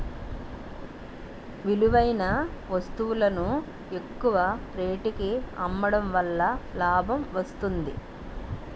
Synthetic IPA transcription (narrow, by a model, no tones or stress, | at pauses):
ʋiluʋɐjnɐʋɐst̪uʋulɐnu | e̞kːuʋɐpɾe̞ːʈikiɐ̰mːɐɽɐmʋɐlːɐlaːbʱɐmʋɐst̪und̪ḭ